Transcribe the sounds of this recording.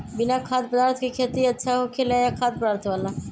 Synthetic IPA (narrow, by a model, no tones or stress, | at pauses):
bɪnakʰad̪̚pəd̪aːɾt̪ʰkekʰet̪iətːʃʰaɦokʰelajakʰad̪̚pəd̪aɾt̪ʰʋala